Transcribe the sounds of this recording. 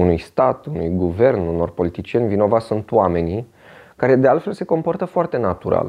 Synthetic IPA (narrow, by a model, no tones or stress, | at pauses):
unujst̪at̪unṵjɡuve̞rnuno̞rpo̞lit̪it͡ʃije̞nʲvino̞vat̪sunt̪wame̞ni | kaɾe̞d̪e̞alt̪fe̞lse̞ko̞mpo̞rt̪əfoart̪e̞nat̪uɾa̰l